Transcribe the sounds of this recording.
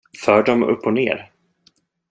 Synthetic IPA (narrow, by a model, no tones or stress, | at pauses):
fœːɖɔmɵ̰pːɔnḛːɾ